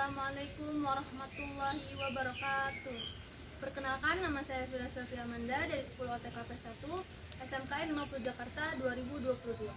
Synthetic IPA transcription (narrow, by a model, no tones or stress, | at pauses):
amualajkʊmwaɾɑhmat̪ulːaɦiwabaɾɔkat̪uh | pərkənakanːamasajafiɾasafiɾamandadaɾisə̥puluhat̪ekapɛsat̪u | ɛsɛmkaɛlimapulud͡ʒakart̪aduaɾibuduapulud̪ula